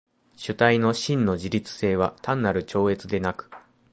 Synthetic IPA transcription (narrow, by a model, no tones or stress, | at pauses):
ɕɨt̪aino̞ɕĩnːo̞ʑiɾʲit͡sɨ̥se̞ːβ̞at̪ãnːaɾɯ̟t͡ɕo̞ːe̞t͡sɨd̪e̞nakɯ̥